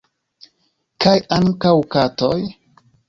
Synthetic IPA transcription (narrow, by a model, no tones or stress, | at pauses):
kajaŋkawkatoj